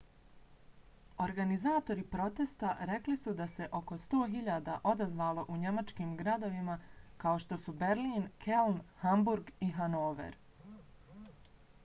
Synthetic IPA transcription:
o̞ɾɡanizaːt̪o̞ɾipɾo̞t̪est̪aɾe̞klisud̪ase̞ʔo̞ko̞st̪o̞ːɦiʎaːd̪aʔo̞d̪azʋaːlo̞ʔuɲe̞mat͡ʃkiːmɡɾad̪o̞ʋimakao̞ʃt̪o̞sube̞ɾliːnkelnhambuɾɡiɦanoːʋḛɾ

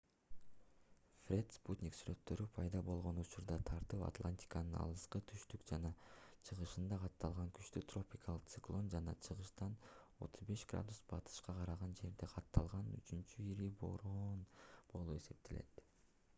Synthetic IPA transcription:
frʲe̞t̪sput̪ʲnʲiksyɾø̞t̪ːø̞ɾypʰɑjd̪ɑbo̞lˠʁo̞nut͡ʃuɾd̪ɑt̪ʰɑɾt̪ɯpa̰t̪lˠanʲt̪ʲi̥kanɯnɑ̰lˠɯsqɯt̪ʰyʃt̪ykd͡ʒɑnɑt͡ʃʰɯʁɯʃɯnd̪ɑqʰɑt̪ːɑlˠʁɑŋky̥t͡ʃt̪yt̪ro̞pʲikʰɑlˠɯq̚t̪sɨklˠo̞nd͡ʒɑnɑ̰t͡ʃʰɯʁɯʃt̪ɑno̞̰t̪ʰuzbe̞ʃɡ̥ra̰d̪usbɑt̪ʰɯ̥ʃqɑqʰɑɾɑʁɑnd͡ʒe̞ɾd̪e̞qʰɑt̪ːɑlˠʁɑny̰t͡ʃynt͡ʃyiɾibo̞̰ɾonb̥o̞lˠue̞se̞p̚t̪e̞le̞̰t̪

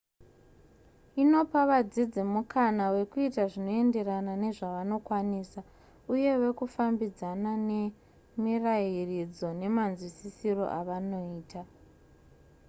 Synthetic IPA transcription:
ino̞paʋad͡zid͡zimukanawe̞kuitaʐino̞e̞nde̞ranane̞ʐaʋano̞kwaniːsa | uje̞we̞kufambid͡zanane̞ | mirairid͡zo̞ne̞manzwisisiro̞̰ʔaʋano̞iːta

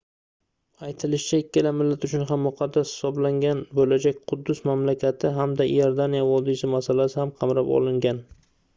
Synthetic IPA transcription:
ajt̪ʰɪlɪʃt͡ʃʰaɪkʲːɪlamɪlːat̪ʊt͡ʃʰʊnɦamːʊqʰɑd̪ːashɪ̥sɒblaŋɡʲanbolad͡ʒak̚ʲqʰʊd̪ːʊsmamlakʲʰat̪ʰɪɦamd̪ajaɾd̪anijavɒd̪isɪmasalasɪhamqʰɑmɾapɒ̰lɪŋɡʲan

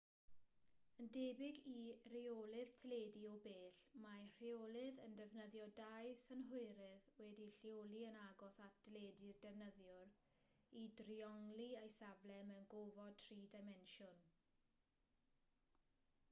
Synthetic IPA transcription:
əndebɪɡir̥iolˠɨð̥tʰleːdiɔbeːɬmar̥iolˠɪðəndɛvnəðjɔdajsənɦʊɨɾɨðwɛdiɬjolˠiənaɡɔsatd̥leːdirdɛvnəðjʊr | idriɔŋliajsablɛmənɡovɔd̚tʰriːdamɛnʃʊn

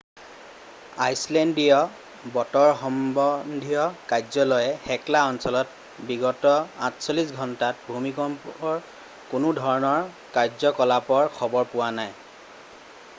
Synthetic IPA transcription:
ajslɛndijɔ | bɔtɔɹxɔmbɔndʱijɔkajzɔlɔjɛxɛklaɔnsɔlɔt | biɡɔtɔãtʰsolisɡʱɔntat̚bʱumikɔmpɔɹ | kʊnʊdʱɔɹɔnɔɹ | kaɹzɔkɔlapɔɹkʰɔbɔɹpʊwanaj

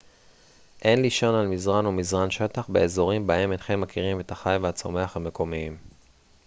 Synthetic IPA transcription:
ʔe̞nliʃo̞nalmizʁanomizʁanʃet̪aχbeezo̞ʁimbaemenχe̞mːakʰiʁime̞t̪haχajveat͡so̞me̞aχhame̞kʰo̞miim

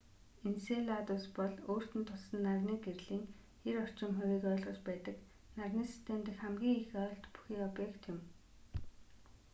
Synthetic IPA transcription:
inseɮat̪ʊspɔɮoːr̥t̪ɘ̆nt̪ʰʊɮsə̆nːarniːɡerɮiːŋ | xeɾɔr̥t͡ɕɪ̆ŋχʊɾiːkœːɮʁə̆t͡ɕpæːt̪ə̆k | narniːsi̥st̪ʰemt̪ĭkχæmɡʲiːŋixœːɬt̪pu̥xiːkɔpjekt̪jʊm

